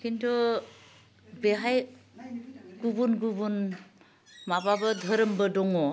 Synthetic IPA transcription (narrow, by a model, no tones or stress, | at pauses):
kintʰu | beɦaj | ɡubunɡubun | mababɯd̪ʱəɾəmbədɔŋɔ